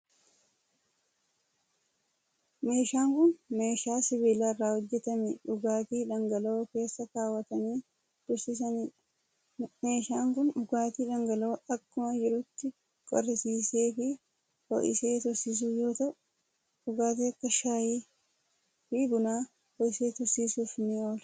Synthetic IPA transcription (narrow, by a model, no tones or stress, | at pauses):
me̞ːʃaːŋkʊnme̞ːʃaːsɪβɪlaːrːaːhɔd͡ʒːɛt̪ɐmɛᶑʊɡaːt̪iːᶑɐŋɡɐloːke̞ːsːɐkaːwːɐt̪ɐniː | d̪̥ʊɾsɪs̬ɐniː | me̞ːʃaːŋkʊnᶑʊɡaːt̪iːᶑɐŋɡɐloːɐkːʊmɐd͡ʒɪɾʊt̪ːɪ | kʼɔ̰ɾɪsiːseːfɪ | hɔ̰ʔɪ̰seːt̪ʊɾsis̬uːjo̞ːt̪ɐʔʊ | ɗʊɡaːt̪iːɐkːɐʃaːjiː | fiɡʊnaː | fɔʔɪseːt̪ʊɾsiːsuːfnɪoːl